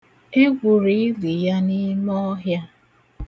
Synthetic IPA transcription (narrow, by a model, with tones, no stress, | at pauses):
e˦ɡʷu˨ɾi˨˦li˨ja˦ni˦mɔ˦ɦja˦